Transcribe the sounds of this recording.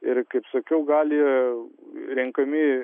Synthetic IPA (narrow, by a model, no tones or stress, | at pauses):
ɪɾkɐɪpsɐkʲɛʊɡɑːlʲi | ɾʲɛŋkɐmʲɪ